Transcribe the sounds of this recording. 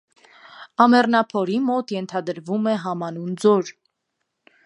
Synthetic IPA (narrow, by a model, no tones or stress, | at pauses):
ɑmɛrnɑpʰɔɾimɔt̪jɛnt̪ʰɑd̪əɾvumɛɦɑmɑnund͡zɔɾ